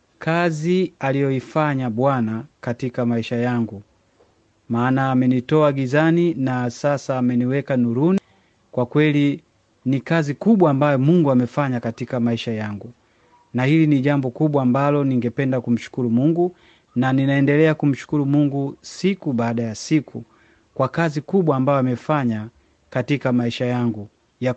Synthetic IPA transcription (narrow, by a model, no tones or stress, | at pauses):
kʰazialijɔifaɲaɓwanakatikamaiʃajaŋɡu | maːnaːmɛnitɔaɡizaninasasaːmɛniwɛkanuɾuni | kwakwɛli | nikazikuɓwaːmbajɔmuŋɡuamɛfaɲakatikamaiʃajaŋɡu | nahiliniʄambɔkuɓwaːmbalɔniŋɡɛpɛndakum̩ʃu̥kuɾumuŋɡu | naninaɛndɛlɛakum̩ʃu̥kuɾumuŋɡusikuɓaːɗajasikʰu | kwakazikuɓwaːmbajɔamɛfaɲa | katikamaiʃajaŋɡu | ja